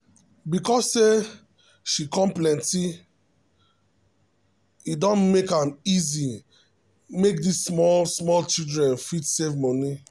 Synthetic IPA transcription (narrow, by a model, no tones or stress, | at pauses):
bikɔsːe | ʃikɔ̃mplɛ̃nti | idɔ̃nmekãmizi | mek̚dissmɔlsmɔlt͡ʃidɹɛ̃nfitsevmɔ̃ni